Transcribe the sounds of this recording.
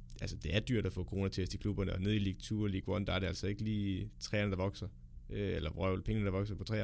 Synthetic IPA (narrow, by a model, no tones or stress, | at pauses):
ʔælsəd̥e̝æɐd̥yɐ̰ɾ̥æfɔ̰ːkʰʁo̝ːnɐt͡sʰesd̥ikʰlub̥ɐnəɒneð̞ˠiliɡ̥̚t͡sʰṵːliɡ̥ʁɒnd̥ɑ̈æɐɾeælsɒ̽e̝ɡ̥əliːt͡sʰʁɛːɐnəd̥ɑ̈ʋɒ̽ɡ̥sɐ | øelɐʁœʊlpʰeŋənəd̥ɑ̈ʋɒ̽ɡ̥sɐpʰɒ̽t͡sʰʁɛ̰ː